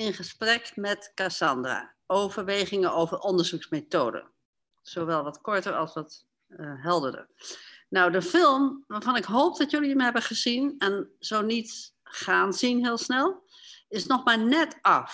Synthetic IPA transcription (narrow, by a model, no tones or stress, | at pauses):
ɪnχəsprɛkmɛtkasɑndra̰ː | owvəɹʋeːχɪŋənowvərʔɔndəɹzuksmetoːdə̰ | z̥oʋɛlˠʋɑtkɔɹtəɹɑ̰lˠsʋɑt | ɦɛlˠdədə̰rnawdəfɪlˠmʋaːɹv̥ɑnɪkɦowp̚d̥ɑtjøliəmɦɛbəχəzinɛnz̥ownitχaːnzinɦɪːlˠsnɛlˠ | ɪsnɔχmaːnɛtɑf